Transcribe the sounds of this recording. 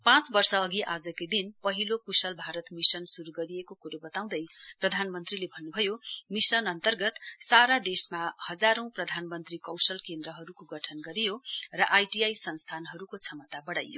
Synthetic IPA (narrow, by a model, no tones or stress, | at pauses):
pãt͡sbʌrsʌːɡiʔad͡zʌkojd̪inpʌɦilokusʌlbʱaɾʌt̪misʌnsuɾuɡʌɾijekokuɾobʌt̪aw̃d̪ʌjprʌd̪ʱanmʌnt̪rilebʱʌnːubʱʌjomisʌnʌnt̪ʌrɡʌt̪saɾad̪esmahʌd͡zaɾʌ̃w̃prʌd̪ʱanmʌnt̪rikʌwsʌlkend̪rʌɦʌɾukoɡʌʈʰʌnɡʌɾijorʌʔajʈijajsʌnst̪ʰanɦʌɾukot͡sʰʌmʌt̪abʌɽa̰jːo